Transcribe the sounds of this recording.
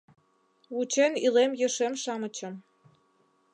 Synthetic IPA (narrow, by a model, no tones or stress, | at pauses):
ut͡ɕenilemjə̆ʃemʃɑmət͡ɕə̆m